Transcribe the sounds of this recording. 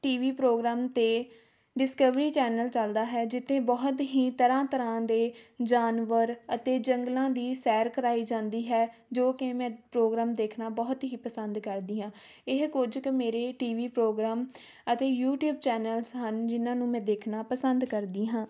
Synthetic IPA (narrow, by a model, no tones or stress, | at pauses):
ʈiːʋiːpɾoːɡɾaːmt̪eː | ɖɪskəʋɾiːt͡ʃɛːnəlt͡ʃəld̪aːɦɛːd͡ʒɪt̪ʰːẽːbɔɦt̪ɦiːt̪əɾãːt̪əɾãːd̪eːd͡ʒaːnʋəɾət̪eːd͡ʒəŋɡlãːd̪iːsɛːɾkəɾaːiːd͡ʒãːnd̪iːɦɛːd͡ʒoːkɪmɛ̃ːpɾoːɡɾaːmd̪eːkʰnaːbɔːt̪ɦiːpəsənd̪kəɾd̪iːɦãː | ɪɦkʊd͡ʒkmeːɾeːʈiːʋiːpɾoːɡɾaːm | ət̪eːjuːʈjuːb̚t͡ʃɛːnəlsɦənd͡ʒɪnãːnũːmɛ̃ːd̪eːkʰnaːpəsənd̪kəɾd̪iːɦãː